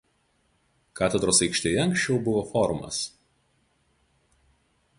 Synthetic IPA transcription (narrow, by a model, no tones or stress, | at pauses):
kaːt̪ʲɛd̪ɾoːsɐɪkʃʲt̪ʲejɛɐ̃ŋʲkʃʲt͡ʃʲɛʊbʊʋofɔɾʊmɐ̰s